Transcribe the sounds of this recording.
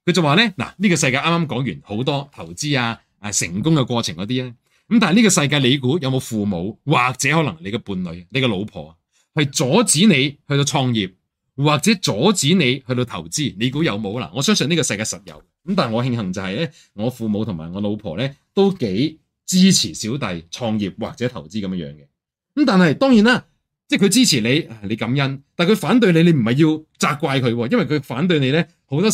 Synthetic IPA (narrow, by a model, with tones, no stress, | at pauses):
kʰɵ˨˧ɥt͡sɐ˨˩waː˨˧lɛː˥la̰ː˨˩niː˥kɔː˧sɐ˧jk̬aː˧ʔaː˥maː˥mkɔː˨˥ŋjyː˨˩nho˨˥wt̪ɔː˥t̪ʰɐ˨˩wt͡siː˥aː˧ | ɐː˧˩sɪ˨˩ŋkʊ˥ŋkɛ˧kʷɔː˧t͡sʰɪ˨ŋkɔː˨˦t̪̬iː˥lɛː˥ | kɐ˦mt̪aː˨jniː˥kɔː˧sɐ˧jk̬aː˧jle˨˧jk̬uː˨˥jɐ˨˧wmo˨˧wfuː˨mo˨˧wwaː˨k̚t͡sɛː˨˥hɔ˨˥lɐ˨˩ŋnle˨˧jkɛ˧puː˨˧nlɵ˨˧ɥne˨˧jkɛ˧lo˨˧wpʰɔ̰ː˨˩˨ | hɐ˨jt͡sɔː˨˥t͡siː˨˥ne˨˧jhɵ˧t̪o˧wt͡ʃʰɔː˧ŋjiː˨p̚ | waː˨˩k̚t͡sɛː˨˥t͡sɔː˨˥t͡siː˨˥ne˨˧jhɵ˧t̪o˧wt̪ʰɐ˨˩wt͡siː˥˩ne˨˧jkuː˨˥jɐ˨˧wmo˨˧wla̰˨˩ŋɔː˨˧sœː˥ŋs̬ɵ˧niː˥kɔː˧sɐ˧jkaː˧jsɐ˨t̚jɐ̰˨˧w | kə˧˥mt̪aː˨nŋɔː˨˧ɦɪ˧ŋɦɐ˨˩ŋt͡sɐ˨whɐ˨jlɛː˥ | ŋɔː˨˧fuː˨˧mo˨˧wt̪ʰʊ˨˩ŋma̰ː˨˩ŋɔː˨˧lo˨˧wpʰɔ̰ː˨˩lɛː˥t̪o˥wke˨˥j | t͡siː˥t͡sʰiː˨˩siː˨˥wt̪ɐ˨jt͡sʰɔː˧ŋjiː˨˩p̚wa̰ː˨k̚t͡sɛ˨˥t̪ʰɐ˨˩wt͡siː˥kɐ˨˧mɛ˥jœ̰ː˨˧ŋkɛ˧˥ | mt̪aː˨nhɐ˨jt̪ɔː˥ŋjiː˨˥naː˥˩ | t͡sɛː˥˩kʰɵ˨˧ɥt͡siː˥t͡sʰiː˨˩le˨˧jaː˨˩ne˨˧kɐ˨˥mjɐ˥nt̪aː˨nkʰɵ˨˧ɥfaː˨˥nt̪̬ɵ˧ɥne˨˧jne˨˧jm̩˨˩hɐ˨jiː˧wt͡saː˧kʷwaː˧jkʰɵ˨˧ɥwɔː˧jɐ˥nwɐ˨jkʰɵ˨˧ɥfaː˨˥nt̪̬ɵ˧ɥne˨˧lɛː˥ | ho˨˥wt̪ɔː˥